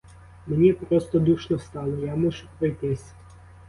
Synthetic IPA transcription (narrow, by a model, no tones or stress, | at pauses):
menʲipɾɔst̪ɔd̪uʃnɔst̪ɑlˠɔjamɔʒʊpɾɔjt̪ɪsʲ